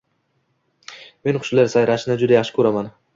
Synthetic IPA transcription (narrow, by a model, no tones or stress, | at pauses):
me̞nχʊ̥ʃlaɾsajɾaʃɪnad͡ʒʊd̪ajɑχʃɪ̥kʲʰɵɾaman